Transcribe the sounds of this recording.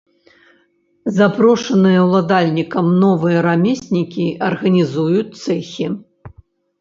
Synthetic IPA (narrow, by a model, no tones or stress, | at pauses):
zapɾɔʂɐnɨjɐwlˠad̪alʲnʲikɐmnɔvɨjɐɾamʲesʲnʲikʲiɐrɣɐnʲizujut͡sʲt̪sɛxʲi